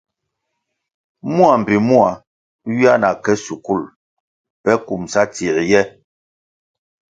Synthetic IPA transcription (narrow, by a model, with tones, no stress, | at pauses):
mu˦a˨m̩˨bi˨mu˦a˨ | ɥi˦a˦na˨kɛ˦su˨ku˦˨l | pɛ˦ku˨msa˦ti˨ɾjɛ˦